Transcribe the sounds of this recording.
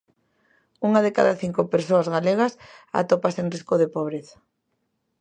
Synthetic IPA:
uŋaðeka̰ðaθiŋkopeɾsoazɣaleɣ̞ɐsa̰t̪opasenriskoðepoβ̞ɾeθḁ

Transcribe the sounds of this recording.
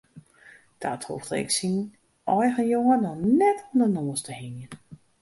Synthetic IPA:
d̥atho̰ftəɪ̰ksin | ʔɔjɣənjoŋənɔnɛtʰɔmdənɔːəstəhɪnjən

